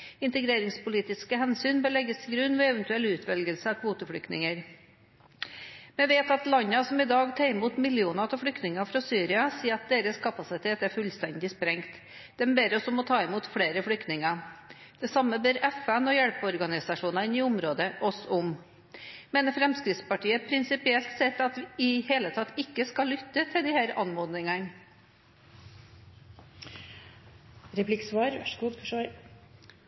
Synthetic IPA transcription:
ɪnt̪əɡɾeːɾɪŋspʊliːt̪ɪskəhɛnsyːnbəɭlɛɡəst̪ʰɪɡɾʉnːʋɛɛʋɛnt̪ʉɛlʉːt̪ʰʋɛlɡəlsəɑkʰʋuːt̪əfɽʏkt̪nɪ̰ŋəɾ | mɛʋeːt̪ɑt̪lɑɲːɑsɔmɪd̪ɑːɡt̪ʰɑːɪmuːt̪mɪlɪuːnɑt̪ʰɪfɽʏkt̪nɪŋɑfɾɑsyːɾɪɑsiːɑt̪̚d̪eːɾəskʰɑpɑsɪt̪ʰeːt̪æɾfʉlst̪ɛnd̪ɪspɾɛŋt̪ | d̪̥ɛmbeːɾɔsɔmɔt̪ʰɑːɪmuːt̪fɽeːɾəfɽʏkt̪nɪŋɑ | d̪̥ɛsɑmːəbeːɾɛfɛnɔjɛɽpɔɾɡɑnɪsɑʂuːnɑɪniʊmɾoːd̪əʔɔsʊm | mɛnfɾɛmskɾɪt̪spɑʈiːəpʰɾɪnsɪpɪɛlt̪sɛt̪ːɑt̪ʋɪheːlət̪ʰɑt̪ːɪkːəskɑlːʏt̪ːət̪ʰɪld̪ɪhæːɾɑ̰nmoːd̪nɪŋən | ɾɛpʰlɪksʋɑːɾɡuːʂ

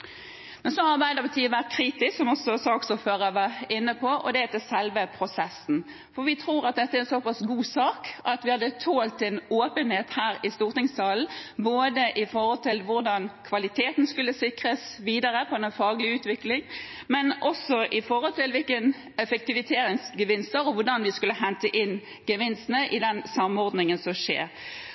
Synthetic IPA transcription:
mɛnsɔɑʁbæɪd̪əpɑt̪ʰiːəʋæʁt̪̚kʰɾiːt̪ɪsksɔmɔsɔsɑːksɔføːɾəʋəɪnːəpʰɔʔɔ̰d̪ɛɛt̪ɪsɛlʋəpʰɾʊsɛsn̩ | fɔʁʋɪt̪ʰɾuːɾɑt̪̚d̪ɛt̪ːəæɾɛsɔpɑsɡuːsɑːkɑt̪ʋɪhɑd̪ːət̪ʰoːlt̪ɛnoːpənheːt̪hæːɾɪst̪uːʁt̪ɪŋst̪ʰɑːln̩boːd̪əʔɪfɔɾhɔlt̪ʰɪlʋʊɾd̪ɑnkʰʋɑlɪt̪ʰeːt̪n̩skʉlːəsɪkɾəsʋiːd̪əɾəpʰɔɛnnfɑːɡlɪʉːt̪ʋɪklɪŋ | mɛnʔɔsːɔʔɪfɔɾhɔlt̪ɪlʋɪlkən | ɛfək̚t̪ɪʋɪt̪ʰeːɾɪŋsɡəʋɪnst̪əɾɔʋʊʁɖɑnʋɪskʉlːəɦɛnt̪əʔɪn | ɡəʋɪnst̪nəʔɪd̪ɛnsɑmɔɾd̪nɪŋənsɔmʂḛːɾ

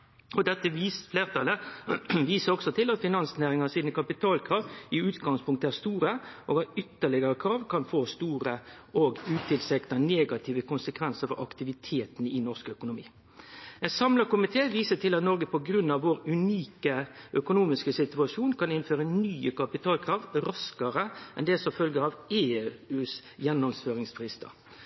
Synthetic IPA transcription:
ɔd̪ɛt̪ːəʋiːsfleːʁt̪ʰɑləʋiːsəɾɔksɔt̪ʰɪlɑt̪fɪnɑnsnæːɾɪŋɑsiːnəkʰɑpɪt̪ʰɑːlkʰɾɑːʋɪʉːt̪ɡɑŋspʰʊŋk̚t̪əæːʁst̪uːɾəʔɔːɡɑt̪ʏt̪ːəɭɪɡəɾəkʰɾɑːʋkʰɑnfoːst̪uːɾə | ɔɡʉːt̪ʰɪlsɛkt̪ɑneːɡɑt̪ʰiːʋəkʊnsəkʰʋɛnsəɾfɔɾʔɑkt̪ɪʋɪt̪ʰeːt̪nɪnɔʁskœkʊnʊmḭː | ɛsɑmləkʊmɪt̪ʰeːʋiːsəʈ̪ʰɪlɑt̪nɔɾɡəpɔɡɾʉnːɑʋʋoːɾʉniːkəʔœkʊnuːmɪskəsɪt̪ʉɑʂuːnkʰɑnɪnføːɾənyːəkʰɑpɪt̪ʰɑːlkʰɾɑːʋɾɑskəɾəʔɛnd̪ɛsɔmfœlɡəɾɑʋeːʉːs | jɛnːɔmsføːɾɪŋsfɾɪst̪ə̰

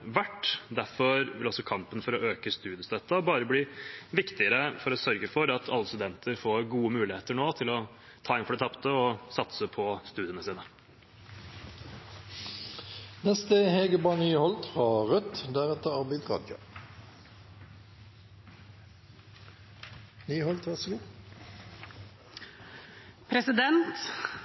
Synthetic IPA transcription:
ʋæʈːd̪æɾfɔɾʋɪlɔsɔkʰɑmpənfɔɾɔʔøːkəst̪ʉːd̪ɪəst̪œt̪ːɑbɑːɾəbliːʋɪkt̪ɪəɾəfɔɾɔsœɾɡəfɔɾɑt̪ʰɑlːəst̪ʉd̪ɛnt̪ʰəɾfoːɾɡuːəmʉːlɪheːt̪əɳoːt̪ʰɪlɔ | t̪ʰɑːɪnfɔɖɛt̪ʰɑpt̪əɔsɑt̪səpʰɔst̪ʉːd̪ɪənəsiːnə | nɛst̪əheːɡəbɑːnyːhɔlt̪fɑʁœt̪d̪æʁɛt̪əʁɑʁbɛɪd̪ʁɑ̰ːd̪jɑ̰ | nyːhɔlt̪ʰʋæʁsəɡuː | pʰɾɛsɪd̪ɛnt̪

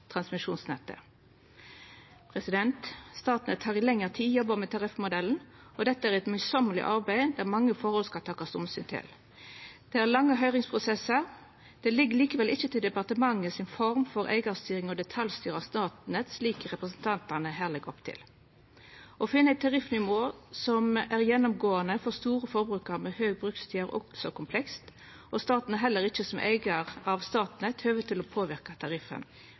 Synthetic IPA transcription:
t̪ʰʁɑnsmɪʂuːnsnɛt̪ːə̰ | pʰʁɛsɪd̪ɛnt̪st̪ɑːt̪nət̪hɑːʁɪlɛŋːəʁt̪ʰiːjɔbəmɛt̪ʰɑʁɪfmʊd̪ɛln̩ɔd̪ɛt̪ːəæʁɛt̪mœʏsɔməlɪ̰ʔɑʁbæɪd̪æʁmɑŋːəfɔʁhɔlskɑlt̪ʰɑːkːɑst̪ʊmsyːnt̪ʰɪ̰l | d̪̥ɛæʁlɑŋːəɦœʏʁɪŋspʰʁʊsɛsəʁ | d̪̥ɛlɪɡːəliːkəʋɛlʔɪçət̪ʰɪld̪ɛpɑʁt̪əmɑŋːəsɪnfɔʁmfɔɾʔæ̰ɪɡɑst̪yːɾɪŋɔd̪ɛt̪ʰɑljst̪yːʁɑst̪ɑːt̪nət̪sliːkəʁɛpʁəsnt̪ʰɑnt̪ɑnəɦæːʁlɛɡɔpt̪ʰɪ̰l | ʔɔfɪnːəæɪt̪ʰːɑʁɪfnʏʋoːsɔmæʁjɛnːɔmɡoːɑnəfɔʁst̪uːɾəfɔɾbɾʉːkɑɾmɛhøːɡ̚bɾʁʉkst̪ʰyːəɾɔ̰ksɔkʊmpʰlɛkst̪ | ʔɔst̪ɑːt̪nəɦɛlːəʁɪçəsɔmʔæ̰ɪɡɑʁɑʋst̪ɑːt̪nət̪ʰhøːʋət̪ʰɪlɔpʰoːʋɪʁkɑt̪ʰɑʁɪfə̰n

